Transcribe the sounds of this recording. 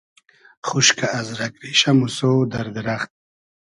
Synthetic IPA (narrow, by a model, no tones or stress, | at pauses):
χuʃkaʔːzɾakɾiʃamusod̪aɾd̪ɪɾaχt̪̚